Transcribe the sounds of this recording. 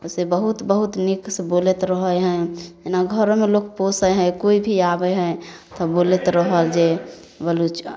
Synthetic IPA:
osebəɦut̪bəɦut̪niksbolet̪ɾəɦəjɦə̃enaɡʱəɾomelokposəjɦə̃koibʱiabəɦə̃ | t̪ɔbolet̪ɾəɦəld͡ʒe | bəlut͡ʃ

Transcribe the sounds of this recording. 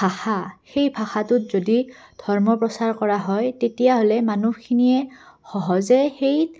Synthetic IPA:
bʱaxaxejbʱaxatʊtzodidʱɔɹmɔpɹɔsaɹkɔɹaɦɔjtetijaɦolɛmanukʰiniɛxɔɦɔzɛxej

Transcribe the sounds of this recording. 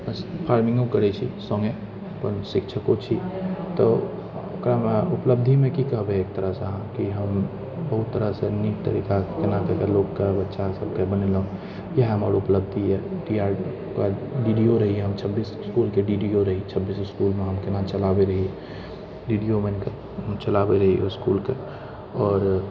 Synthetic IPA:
bəspʰaɾmɪ̃ŋɡõkəɾɛt͡ʃʰḭsɔ̃ŋɡe | əpənsɪkt͡ʃʰəkot͡ʃʰit̪ɔ | okɾameupləb̚d̪ʱimẽkikəɦbeeːk̚t̪əɾəɦsɦãkiɦəm | bəɦut̪ːəɾəsẽnik̚t̪ə̰ɾikakenakekelokkebətːʃasəb̚kebəneləõ | jəɦɦɐmaːɾʊpləb̚d̪ʱiɦɛɖiːaːɾ | kaɖiːɖioɾɐɦiɦɛɦɐmt͡ʃʰəbːiːsskuːlkeɖiɖioɾɐɦit͡ʃʰəbːiːsɪskuːlmẽɦɐmkenãt͡ʃəlaːbeɾɐɦiɛ | ɖiːɖiomẽnke | t͡ʃəlaːbeɾɐɦioskuːlke | ɔːɾ

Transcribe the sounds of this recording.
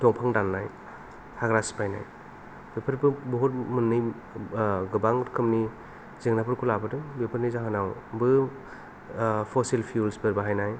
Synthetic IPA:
dɔŋpʰaŋdanːaj | haɡɾaspajna̰j | bepʰɯɾbɯbɔɦɔt̚mɯnːɯj | ɡɯbaŋɾkʰɯmni | zeŋnapʰɯɾkʰulabɯdɯbepʰɯɾnizaɦɯnawbɯ | pʰɔsilpʰijulsbeɾbaɦajnaj

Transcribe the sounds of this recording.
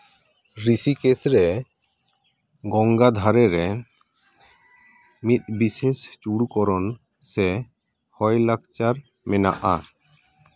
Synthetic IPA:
ɾisikesɾɛ | ɡɔŋɡad̪ʱaɾɛɾɛ | mit̪̚bisest͡ʃuɽkɔɾɔn | sɛ | hɔjlakt͡ʃaɾ | mɛna̰ʔa̰

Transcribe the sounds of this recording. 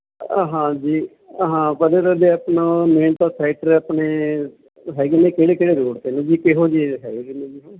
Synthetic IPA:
ɦãːd͡ʒiː | ɦãːpəd̪əɾəd̪eːapnãmeːnt̪ãːsʰaːɪʈəɾaːpɳeː | ɦɛːɡinẽːkeːɽeːkeːɽeːɾoːɽt̪eːnũːd͡ʒiːkeɦoːd͡ʒiːɦɛ̰ːɡeːɡinẽːd͡ʒiːɦãː

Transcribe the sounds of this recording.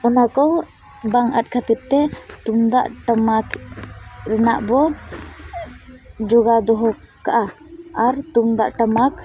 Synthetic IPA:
ɔnakɔ | baŋa̰t̪̚kʰat̪iɾ̚t̪ɛt̪umd̪a̰ʔʈəmak | ɾɛna̰ʔbɔ | d͡ʒɔɡad̪ɔɦɔ | kaʔa | aɾt̪umd̪aʔʈəmak

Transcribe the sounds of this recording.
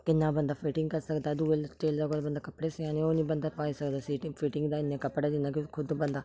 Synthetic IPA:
kɪnːãːbənd̪aːpʰiːʈɪ̃ŋɡkəɾsəkd̪aːd̪uːelʈeːld̪aːkoːlbənd̪aːkəpɽeːsɪãːnẽːoːnĩːbənd̪aːpaːiːsəkd̪aːsiːʈɪpʰiːʈɪ̃ŋɡd̪aːɪnːẽːkəpɽaːd͡ʒ̪ɪnd̪aːkɪkʰʊd̪bənd̪aː

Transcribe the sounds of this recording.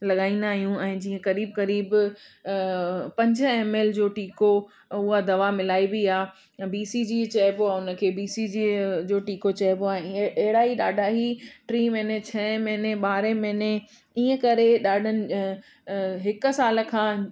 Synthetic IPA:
lɐɠaːĩːn̆d̪aːɦijũɛ̃ːd͡ʑiːə̃kɐɾiːbkɐɾiːb | pɐ̃ɲd͡ʑʊ̆eːmeːld͡ʑoːʈiːko | ʊɦad̪ɐʋamɪlaːibiaː | biːsid͡ʑiːt͡ɕɐːboaʊnə̆kʰeːbiːsid͡ʑiːd͡ʑoːʈiːkot͡ɕɐɦɪboaːẽːɐɦɪɽaiɗaːɖʱaɦiʈɾiːmẽnet͡ɕʰɐmɐɦneɓaːɾemɐne | iːə̃kɐɾeɗaːɖʱənɪ̆ | ɦɪkʊ̆saːl̆kʰãː

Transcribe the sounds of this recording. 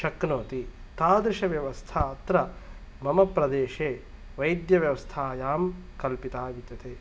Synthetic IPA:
ʃɐknoːt̪i | t̪aːd̪ɾɪʃɐʋjɐʋɐst̪ʰɐɐt̪ɾɐ | mɐmɐpɾɐd̪eːʃeː | ʋɐjd̪jɐʋjɐʋɐst̪ʰaːjaːm | kɐlpit̪aːʋit̪ɐt̪ʰeː

